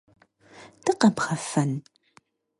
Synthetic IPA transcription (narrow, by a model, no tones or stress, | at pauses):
tɨqɐpχɐfɐn